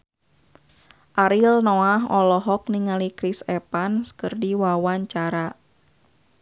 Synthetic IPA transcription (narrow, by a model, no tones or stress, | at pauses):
ʔaɾilnɔaɦɔlɔɦɔk̚niŋalikɾisɛpanskərdiwawaɲt͡ʃaɾa